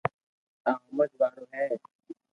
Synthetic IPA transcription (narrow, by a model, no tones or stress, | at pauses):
ãːʊməd͡ʒʋaːɾoːɦɛː